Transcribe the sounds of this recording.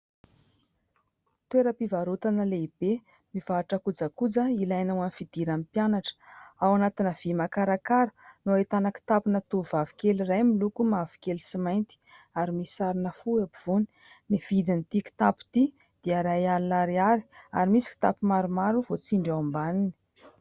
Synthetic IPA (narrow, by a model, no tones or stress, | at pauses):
t̪weɾəpivaɾut̪anəleib̥e | miv̥aːʈ͡ʂakud͡zakud͡zəilajnawanifid̪̥iɾamipjanaʈ͡ʂə̥awanat̪inəv̥imakaɾakaɾənoaet̪anaki̥t̪apinat̪uvavikelirajmilukumavi̥kelisimajnt̪i̥ | aɾimisaɾinəfuabiv̥uni̥ | niv̥id̪init̪iki̥t̪apu̥t̪i | d̪̥eaɾajalunaɾiaɾi̥a̰ɾimisi̥ki̥t̪a̰pimaɾumaɾuvot͡siɳɖ͡ʐawambanini̥